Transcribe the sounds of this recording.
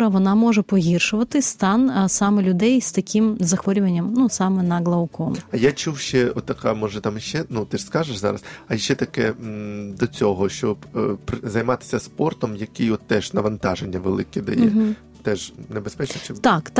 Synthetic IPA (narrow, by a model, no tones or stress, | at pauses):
ɾɐʋɔnɑmɔʒɛpɔɦʲirʃʊʋɐt̪ɪst̪ɑnsɑmɛlʲʊd̪ɛjst̪ɐkʲʰimzɐxʋɔɾʲʊʋɐnʲːɐmnusɑmɛnɐɡlˠɐʊkɔmɐjat͡ʃuwʃt͡ʃɛɔt̪ːɐkamɔʒɛt̪amʃt͡ʃɛnut̪ɛskɑʒeʃzɑ̰ɾɐsɐʃt͡ʃːɛt̪ɐkɛd̪ɔt͡sʲɔɦɔʃt͡ʃɔbpɾzɐjmɑt̪ɪ̥sʲɐspɔrt̪ɔmjɐkɪjɔt̪ːɛʒnɐʋɐnt̪ɑʒenʲːɐʋḛlˠɪkɪd̪ɐ̰jɛ̰ | t̪ɛʒnebespɛt͡ʃnɔt͡ʃɛt̪ɑkt̪